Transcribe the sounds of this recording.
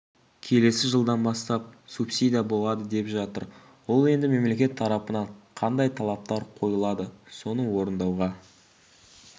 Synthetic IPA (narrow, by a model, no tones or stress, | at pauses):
kʲʰe̞le̞sɪʒəlˠd̪ɑnbɑst̪ɑp̚supsid̪ijabo̞lˠɑd̪əd̪e̞pʒɑt̪əɾ | wo̞lˠe̞nd̪ɪme̞mle̞kʲe̞t̪ʰːɑɾɑpənɑɴqʰɑnd̪ɑjt̪ʰɑlˠɑp̚t̪ɑɾqʰo̞jəlˠɑd̪əso̞nəwo̞ɾənd̪ɑwʁɑ